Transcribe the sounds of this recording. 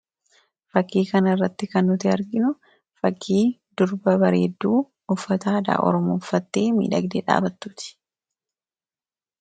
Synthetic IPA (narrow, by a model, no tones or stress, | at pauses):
fɐkːiːkɐnɐɪrːɐt̪ːɪkɐnːʊt̪ɪɐɾɡɪnʊ | fɐkʰːiːd̪ʊɾbɐbɐɾe̞̰ːd̪ːuː | ʊfːɐt̪aːd̪a̰ːʔɔ̰ɾɔmuːfːɐt̪ːeːmḭːᶑɐ̰ɡd̪eːᶑa̰ːbɐt̪ːuːt̪ɪ̥